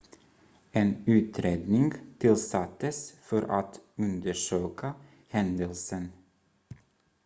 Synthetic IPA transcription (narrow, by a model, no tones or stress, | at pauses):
eːnʉːt̪ʰɾeːd̪nɪŋɡt̪ʰɪlsat̪ːəsfɔɾa̰t̪ɵnd̪əʂøːka | hɛnd̪əlsən